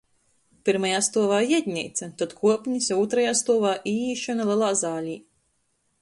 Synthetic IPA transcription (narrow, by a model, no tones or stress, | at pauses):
piɾmajaːst̪uɔvaːjɛd̪ʲɲʲɛ̰ːt̪sɐt̪at̪kʰuɔpʲɲisuːt̪ɾajaːst̪uɔvaːʔiːiːʃɔnalˠɛlˠaːzaːlʲiː